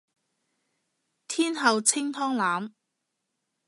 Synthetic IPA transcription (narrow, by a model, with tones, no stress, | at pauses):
t̪ʰiː˥nɦɐ˨˧wt͡sʰɪ˥ŋt̪ʰɔː˥ŋlaː˨˥m